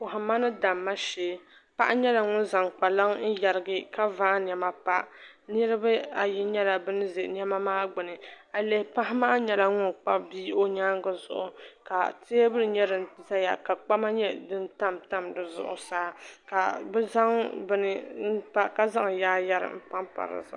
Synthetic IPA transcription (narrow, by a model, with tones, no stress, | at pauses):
pʊ˨ɦa˨ma˦nɨ˦da˨mːa˦ʃeː˦pa˦ʔa˦ɲɛ˦la˨ŋʊ˦n˦za˨ŋk͡pa˨la˦ŋn̩˦ja˨ɾɨ˨ɡɨ˦ka˦vaː˦n˨ɛ˨ma˦pa˦ʔnɨ˦ɾɨ˦bɨ˦a˨ji˦ɲɛ˦la˨bɨ˦nɨ˦ze˨ʔn˦ɛ˦ma˦maː˦ɡ͡bʊ˨nɨ˨ | a˨le˨hpa˦ɦɪ˦maː˦ɲɛ˦la˦ŋʊ˦nk͡pa˦bbiː˦o˦ɲaː˦ŋ˦ɡɨ˨zʊ̰˨ʔʊ˨ka˨te˦e˦bɨ˦ɾɨ˨ɲɛ˦dɨ˨n˦za˦ja̰˨ka˨k͡pa˦ma˦ɲɛ˦dɨ˦n˦ta˦mta˦mdɨ˦zʊ̰˦˨ʔʊ̰˨saː˦ka˨bɛ˦za˦ŋbɨ˦nɨ˨˦pa˦ka˦za˦ŋ˨jaː˦ja˦ɾɨ̰˨m̩˦pa˦mpa̰˨ɾɨ̰˨zɨ̰˦